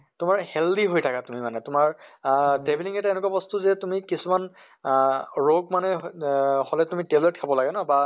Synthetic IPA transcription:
tʊmaɹhɛldiɦojtʰakatumimanɛtʊmaɹdebʱiliŋɛtɛnʊk̬wabɔst̪uzɛtumikisuman | ɹoɡ̚manɛ | holɛtumiteblet̚kʰabɔlaɡɛnɔba

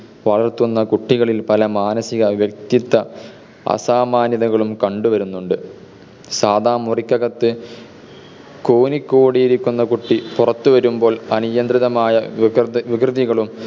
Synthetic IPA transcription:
ʋɐɭɐrt̪ːunːɐkuʈːiɣɐɭilpɐlɐmaːnɐsiɣɐʋjɐk̚t̪it̪ːɐ | ɐ̰saːmaːnjɐðɐɣɐɭumkɐɳɖuʋɐɾunːuɳɖɨ | saːd̪aːmurikʲːɐɣɐt̪ːɨ | koːnikʲːoːɽijiɾikʲːunːɐkuʈːipurɐt̪ːuʋɐɾumbo̞ːɭɐnijɐnd̪riðɐmaːjɐʋiɡrɨðiɣɐɭum

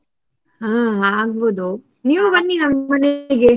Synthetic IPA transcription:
ɦaːaːɡ̚boːd̪u | niːʋubɐnːinɐmːɐneɡe

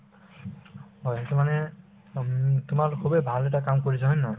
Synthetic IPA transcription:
ɦɔjtumanɛ | tʊmaɹkʰubejbʱalɛt̬akamkoɹisʰaɦɔjnɔj

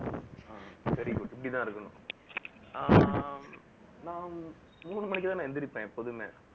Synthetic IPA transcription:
asɐɾɪkuʈɪpːɐɽɪt̪ãːɪɾɯkːɐnʊ̰̃ | a | nãː | muːɳɯmɐnɪk̬ːt̪ãːnãːɛnd̪ɪɾɪpːẽpɔðɯmeː

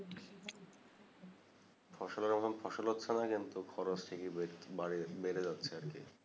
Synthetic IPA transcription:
fʰɔʃoleɾamɔt̪ʰomfʰɔʃolɦotːɕʰenakint̪ukʰɔɾot͡ɕʈʰikibaibeɾed͡ʑatːɕʰeaɾke

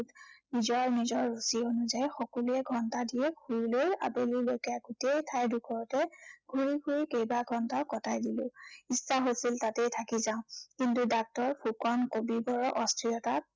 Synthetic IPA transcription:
tnizɔɹnizɔɹːusionuzajxɔkɔluɛɡʱɔntadijɛɡʰʱuɹiloja̰belilojkɛaɡutejtʰajdukʰɔɹɔtɛɡʱuɹiɡʰuɹikejbaɡʱɔntaʊkɔtʰajdilʊ̃isːaɦosiltatɛjtʰakizãʊ̃kintudak̚tɔɹpʰukɔnkobibɔɹɔʔɔstʰɹijɔta

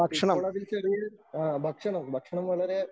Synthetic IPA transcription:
bʱɐkʂɐɳɐmɭɐʋilt͡ɕɐɾuɽbʱɐkʂɐɳɐmbʱɐkʂɐɳɐmʋɐɭɐɾe

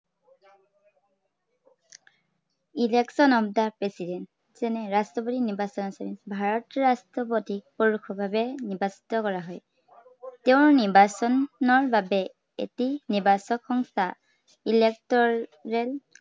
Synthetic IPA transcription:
ileksɔnɔpdapɹesidɛnt | z̥ɛnɛɹastɔpotiniɹbasɔnɔsɔɹḭbʱaɹɔtɹastɔpotipoɹukʰɔbʱabɛniɹbasi̥tɔkɔɹaɦɔj | teʊ̃ɹniɹbasɔnɔɹbabɛ | ḛtiniɹbasɔkxɔŋstʰa | ilek̚tɔɹɛl

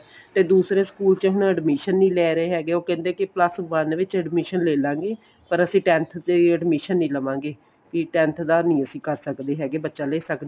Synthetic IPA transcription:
t̪eːd̪uːsɾeːskuːlt͡ʃəɦʊnəɖmiːʃənːĩːlɛːɾəeːɦɛːɡeːoːkɛ̃ːnd̪eːkɪpləsʋənʋɪt͡ʃəɖmiːʃənleːlãːŋɡeː | pəɾəsĩːʈɛ̃ːnt̪ʰd̪eːəɖmiːʃənːĩːləʋãːŋɡeː | kiʈɛ̃ːnt̪ʰd̪aːnĩːəsĩːkəɾsəkd̪eːɦɛːɡeːbətːʃaːleːsəkd̪e

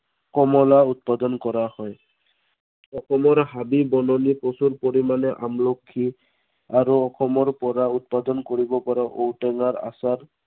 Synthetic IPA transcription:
kɔmɔlaut̪̚pad̪ɔnkɔɹahɔj | ɔxɔmɔɹɦabibɔnɔniposuɹpoɹimanɛʔamlokʰːi | aɹuɔxɔmɔɹpɔɹaut̪̚pad̪ɔnkoɹibɔpɔɹaʔowtɛŋaɹa̰saɹ

